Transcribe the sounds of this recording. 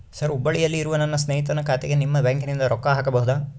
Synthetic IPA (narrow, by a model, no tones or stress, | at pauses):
sɐɾubːɐɭijɐlːiːɾuʋɐnɐnːɐsneːit̪ɐnɐkʰaːt̪ʰeɡe̞nimːɐbaːŋknind̪ɐɾɔkːɐɦaːkɐbɐɦud̪aː